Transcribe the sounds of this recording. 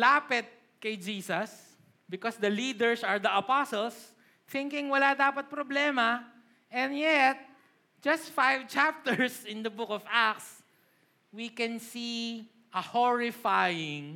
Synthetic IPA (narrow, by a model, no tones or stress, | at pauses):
laːpɪt̪̚ | kɐjd͡ʒiːsɐs | bɪkɔsd̪ɐlid̪ɛɹsɐɹd̪ɐɐpasɔls | θɪ̃ŋkɪ̃ŋwɐlad̪aːpɐt̪̚pɾɔblɛmɐ | ʔɛ̃nd̪jɛt̪̚ | d͡ʒɐst̪fajvt͡ʃap̚t̪ɛɹsɪ̃nd̪ɐbʊkɔvak̚s | wikɛ̃nsi | ʔɐhɔɹɪfajɪ̃ŋ